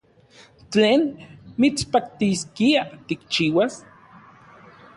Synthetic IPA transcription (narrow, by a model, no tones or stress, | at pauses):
t͡ɬeːnmit͡spak̚t̪iskiat̪ikt͡ʃiːwas